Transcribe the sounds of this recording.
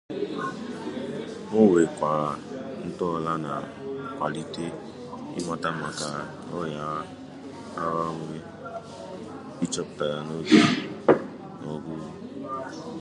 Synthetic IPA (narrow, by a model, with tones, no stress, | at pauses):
no˦˨we˨kʷa˨n̩˦tɔ˦˨la˦na̰˨ | kʷa˨li˦te˦ | ḭ˦ma˦ta˦ma˨ka˨ | ɔ˦ja˨˦ | a˦wa˦wu˦ɡe˦ | i˦t͡ʃɔ˦pta˨ɾa˨no˦bu˦ | nɔ˨ɡu˦u˦